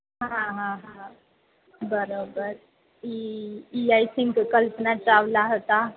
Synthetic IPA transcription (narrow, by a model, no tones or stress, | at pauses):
ɦãɦãɦã | bəɾobəɾ | iiajsʰĩŋkkəlpənat͡ʃawlaɦot̪a